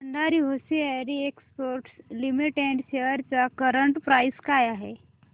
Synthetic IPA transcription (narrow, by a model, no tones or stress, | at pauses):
əɳd̪aɾiɦosieɾiekspoɾʈslimiʈɛ̃ɳɖɕeʋəɾt͡sakəɾəɳʈpɾajskajaɦe